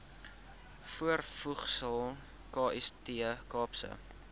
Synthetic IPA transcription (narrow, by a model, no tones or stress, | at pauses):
fuərfuχsəlˠ | kɑːʔɛstiəkɑːpsə̰